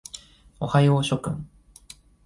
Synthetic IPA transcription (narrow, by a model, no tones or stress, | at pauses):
o̰hajoɕo̞kɯ̟̰̃ŋ